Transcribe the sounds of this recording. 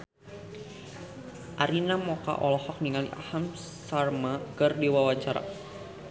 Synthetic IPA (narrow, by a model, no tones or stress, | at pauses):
ʔaɾinamɔka̰ʔɔlɔhɔk̚niŋaliʔa̰ham | sarmakərdiwawat͡ʃaɾa̰